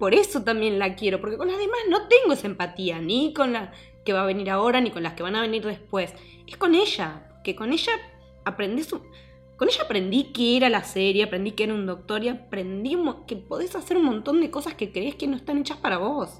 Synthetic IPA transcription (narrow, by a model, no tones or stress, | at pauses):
po̞ɾe̞so̞t̪ambje̞nlakje̞ɾo̞po̞ɾkeko̞nlazðe̞mazno̞t̪e̞ŋɡoesaempat̪ianiko̞nla | keβaβe̞niɾao̞ɾaniko̞nlaske̞βanaβ̞e̞niɾðe̞spwe̞s | esko̞ne̞ʃa | keko̞ne̞ʒaː | pɾe̞nd̪isu | ko̞neʒaːpɾend̪ikeeɾalaseɾjeapɾe̞nd̪ikeeɾaund̪o̞k̚t̪o̞ɾiapɾe̞nd̪iumokepo̞ðe̞sase̞ɾunmõ̞nt̪o̞nd̪eko̞saske̞kɾeehkeno̞est̪ane̞t͡ʃaspaɾaβo̞s